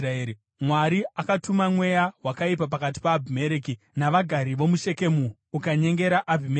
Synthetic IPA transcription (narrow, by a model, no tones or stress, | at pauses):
raeːɾi | mwaɾiakatumamwe̞jawakaip̬ap̬akat̬i̥paːbʱime̞ɾeki | naʋaɡʱaɾiʋo̞muʃe̞ke̞muː | kaɲe̞ŋɡe̞ɾaʔabʱime